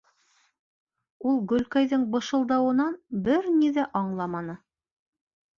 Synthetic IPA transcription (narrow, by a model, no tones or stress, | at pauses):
ulˠɡɵ̆lkæjðɘɴbɤ̆ʃɤ̆lˠd̪ɑwɤ̆nɑnbɘɾniðæʔɑɴlˠɑmɑnɤ